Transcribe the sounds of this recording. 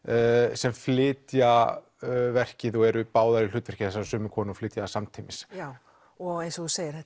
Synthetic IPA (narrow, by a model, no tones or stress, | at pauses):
sɛmflɪːt̪ja | vɛr̥cɪðɔɛɾʏpaːwðaɾɪl̥ʏːt̪vɛr̥cɪ̥θɛsaɾsʏːmʏkʰɔːnʏɔflɪːt̪jaðsamt̪ʰimɪsa | ɔɣejnsɔθuseːjɪɾ̥θɛt̪